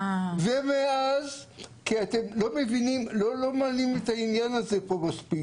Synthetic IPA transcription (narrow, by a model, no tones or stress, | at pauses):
vemeazkiatemlo̞me̞vinimlolo̞malimetainjanazepo̞maspik